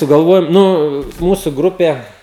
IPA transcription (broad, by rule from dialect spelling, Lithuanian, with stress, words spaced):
sʊɡɐlˠˈʋoːjoːm ˈnʊ ˈmuːsʊ ˈɡrʊpʲeː